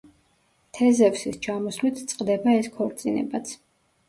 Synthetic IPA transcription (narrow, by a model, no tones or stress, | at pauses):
t̪ʰɛzɛvsist͡ʃʰamɔslit̪ʰt̪sʼqʼd̪ɛbaɛskʰɔɾt̪sʼinɛ̰bat̪sʰ